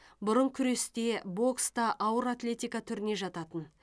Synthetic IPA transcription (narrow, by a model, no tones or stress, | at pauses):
bʊɾəɴkʲʰʏɾe̞st̪e̞bo̞kst̪ɑʔɑwəɾat̪lʲe̞t̪ijkat̪ʰʏɾɪne̞ʒɑt̪ɑt̪ən